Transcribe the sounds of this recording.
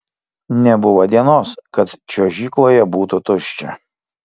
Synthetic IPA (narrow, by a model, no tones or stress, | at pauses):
nʲɛbʊʋɐd̪ʲiɛnoːskɐt̪t͡ʃʲoːʒʲiːklˠoːjɛbuːt̪ʊt̪ʊʃʲt͡ʃʲɛ̰